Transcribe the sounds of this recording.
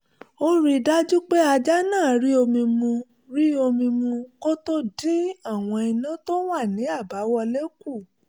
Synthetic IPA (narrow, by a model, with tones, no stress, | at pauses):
o˦ɾi˧da˦d͡ʒu˦k͡pe˦a˧d͡ʒa˦nãː˦˨ɾi˦o˧mĩ˧mũ˧ | ɾi˦o˧mĩ˧mũ˧ko˦to˦dĩ˦a˦˨w̃ɔ̃˧i˧nũ˦to˦wa˦˨nĩ˨˦a˦˨ba˨˦wɔ˧le˦ku˦˨